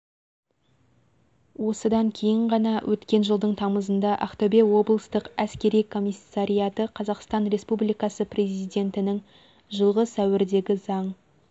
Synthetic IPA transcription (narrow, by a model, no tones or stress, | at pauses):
wo̞səd̪ɑŋkʲʰe̞jɪɴʁɑnɑwʔɵt̪kʲe̞nʒəlˠd̪əɴt̪ʰɑməzənd̪ɑʔɑ̰χt̪obe̞wo̞blˠəst̪əqæskʲe̞ɾijkʰo̞mʲisːɑɾijɑt̪əqʰɑzɑqst̪ɑnɾe̞spublijkɑsəprʲe̞zijd̪ʲe̞nt̪ɪnɪŋ | ʒəlˠʁəsæwɪɾd̪e̞ɡʲɪzɑɴ